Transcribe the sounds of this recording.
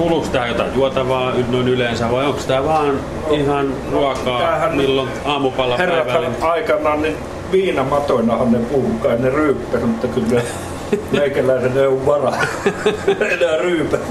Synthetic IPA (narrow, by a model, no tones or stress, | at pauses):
uːluksit̪æjot̪ɑ̰juot̪ɑʋɑːynoˑinylensæʋɑioŋksit̪æʋɑːn | ihɑnruɑkɑːæhæmilːon | ɑːmupɑlːɑherːɑsʋæɑɑikɑnˑɑːnnin | ʋiːnɑmɑt̪onɑhɑnnepuhukɑˑinneryːpːæsmut̪ːɑkylne | meikælæˑiseneoʋʋɑrɑ | enæryːpæ